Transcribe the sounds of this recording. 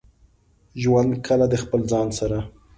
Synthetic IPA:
ʒwand̪kʰəlad̪əxpəlzɑnsaɾa

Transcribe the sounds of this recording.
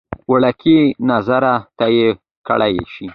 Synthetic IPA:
wəɽakʰinazaɾat̪aje | kə̰ɭajʃi

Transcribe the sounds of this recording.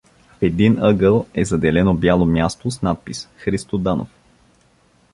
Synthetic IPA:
fɛd̪inəɡəlˠɛzɐd̪ɛlɛnobjalˠomjast̪osnat̪̚pisxɾist̪od̪ano̰f

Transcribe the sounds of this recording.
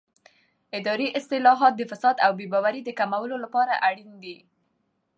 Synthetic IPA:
ɪd̪ɑɾiʔɪst̪ɪlɑɦɑt̪̚d̪əfasɑd̪awbebɑwaɾid̪əkamawəlolapɑɾaʔaɽind̪i

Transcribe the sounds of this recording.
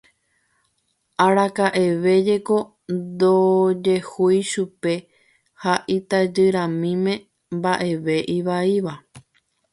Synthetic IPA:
ʔaɾakaʔe̞ʋe̞d͡ʒe̞ko̞ | d̪od͡ʒe̞hujʃupe̞ | haʔit̪ad͡ʒɨɾãmĩmẽ̞ | mbaʔe̞ʋe̞ʔiʋaiʋa

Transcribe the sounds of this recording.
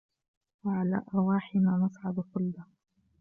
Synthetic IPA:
waʕala̰ːʔɑɾˤwaːħɪnaːnɑsˤʕab̪qʊlːɑ

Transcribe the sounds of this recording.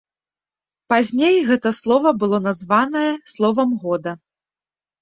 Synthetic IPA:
pazʲnʲejɣɛt̪ɐslˠɔvɐbɨlˠɔnazvanɐjɐslˠɔvɐmɣɔd̪ɐ

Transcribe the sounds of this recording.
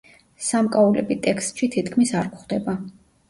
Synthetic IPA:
samkʼaulɛ̰bit̪ʼɛkst̪ʼʃit̪ʰit̪ʰkʰmisaɾkʷχd̪ɛba

